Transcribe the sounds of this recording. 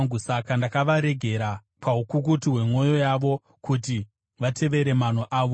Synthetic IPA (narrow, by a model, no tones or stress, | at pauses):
ɡusakandakaʋaɾe̞ɡʱe̞ɾa | pʰaɦukukutiɦwe̞mo̞jo̞jaʋo̞ | kuti | ʋatʰe̞ʋe̞ɾe̞man̤oʔaːʋo